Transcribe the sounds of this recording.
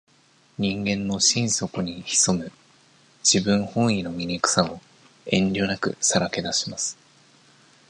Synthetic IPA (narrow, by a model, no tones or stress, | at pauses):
ɲ̟ĩŋɡẽ̞nːo̞ɕĩɰ̃so̞koɲ̟içi̥so̞mɯ̟ | d͡ʑ̥ibɯ̟̃ɰ̃hõ̞ɰ̃ino̞mʲinʲikɯ̟̥sao | ẽ̞ɲɾʲo̞ːnakɯ̟̰saɾake̞d̪aɕi̥masɨ̥